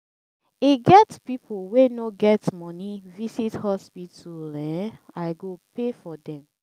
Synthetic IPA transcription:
iɡɛtpipuwenoɡɛtmɔnivisithɔspituɾɛ̃aɪɡopefɔdɛ̃m

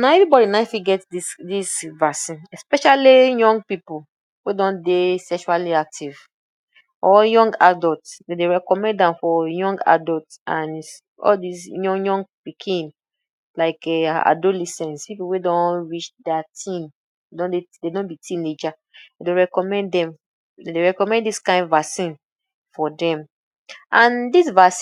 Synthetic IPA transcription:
naɛvibɔdinafiɡɛtdidisvasĩnɛspɛʃalijɔ̃ŋɡ̚pipu | wedɔ̃ndesɛkʃualiak̚tʰiv | ɔjɔ̃ŋɡadɔltsdedeɹɛkɔmɛ̃nddãmfɔjɔ̃ŋɡa̰dɔltãn | ɔ̰ldisjɔ̃jɔ̃ŋɡpikʰĩn | laɪkɛa̰dolɛsɛ̃nspipuwedɔ̃nɹit͡ʃdɛatʰĩm | edɔ̃nededɔ̃nbitʰĩned͡ʒa | deɹɛkɔmɛ̃ndɛ̃m | dedeɹɛkɔmɛ̃ndiskãɪ̃ndvasĩn | fɔdɛ̃m | ʔãndisvas

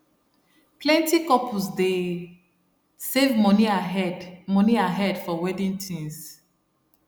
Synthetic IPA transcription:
pʰlɛ̃ntikɔpusde | sevmɔniaɦɛdmɔ̃niaɦɛdfɔwɛdĩntʰĩns

